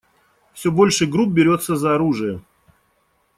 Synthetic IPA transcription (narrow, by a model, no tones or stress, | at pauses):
fsʲobolʲʂɨjɡɾup̚bʲɪɾʲo̞t̪sːəzɐɐɾuʐɨjə